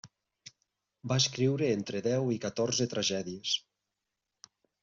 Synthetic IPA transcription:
baeskɾiwɾeent̪ɾeðɛwikat̪oɾzet̪ɾaʒɛðies

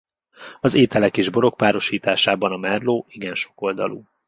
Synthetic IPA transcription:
ɒzeːt̪ɛlɛkeːʒbo̞ɾo̞k̚paːɾo̞ʃiːt̪aːʃaːbɒnɒmɛrloːiɡɛnʃo̞̥ko̞ld̪ɒ̰lṵ

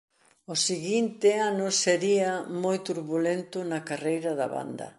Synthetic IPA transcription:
ʊsiɣint̪ɪanʊseɾiɐmojt̪uɾβulent̪ʊnɐkarejɾɐðɐ̰βa̰nd̪ɐ̰

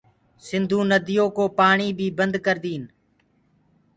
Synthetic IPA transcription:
sɪnd̪ʱũːnəd̪ɪjõːkoːpaːɳiːbʱiːbənd̪kəɾd̪iːn

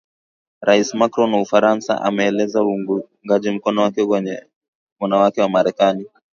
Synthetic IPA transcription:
ɾaismakɾɔnaufaɾansa̰ʔa̰mɛːlɛzauŋɡaʄim̩kɔnɔwakɛkwɛɲɛ | wanawakɛwamaɾɛkani

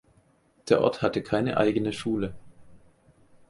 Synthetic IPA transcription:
d̥eːɐʔɔ̰ɐthatəkʰaɪnə̰ʔa̰ɪɡənəʃuːlə

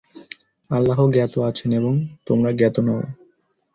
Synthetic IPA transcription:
alːaɦoɡɛt̪oat͡ɕʰeneboŋt̪omɾaɡɛt̪onao

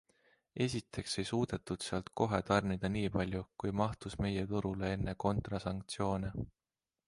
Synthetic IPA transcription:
e̞sʲit̪ʰːˑe̞kse̞jsuːd̪̥e̞t̪ːud̪̥seɑlt̪̚ko̞ɦe̞t̪ɑrnid̪̥ɑniːpɑlʲjukujmɑht̪usme̞jet̪uɾule̞e̞nːeko̞nt̪rɑsɑŋkt̪sio̞ːne

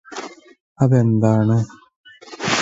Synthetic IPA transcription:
ɐðend̪aːɳɨ

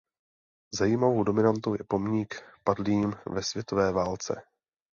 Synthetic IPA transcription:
zajiːmavo̞wdo̞mɪnant̪owjɛpo̞mɲikpadliːmvɛsvjɛt̪o̞vɛːvaːlt͡sɛ̰

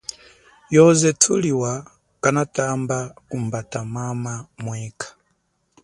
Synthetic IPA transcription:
jɔzɛtʰuliwa | kanatambakumbatamamamwikʰḁ

